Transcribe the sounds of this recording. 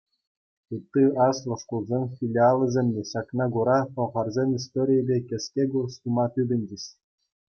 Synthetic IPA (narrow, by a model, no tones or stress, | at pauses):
tut̪ːɯɑslˠɤ̆ʂkulˠzʲemʲfʲilʲiɑlˠɤ̆zʲemʲnʲeɕɑknɑɡuɾɑpŏʁɑrzʲemʲis̬t̪oɾʲijə̆bʲekʲɘ̆sʲkʲeɡurst̪umɑt̪yd̪ʲɘ̆nʲd͡ʑɘ̆ɕ